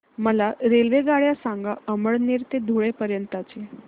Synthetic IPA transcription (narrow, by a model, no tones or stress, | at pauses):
məlaɾelʋeɡaɭjasãŋɡaəməɭneɾt̪ed̪ʱuɭepəɾjənt̪əat͡ɕe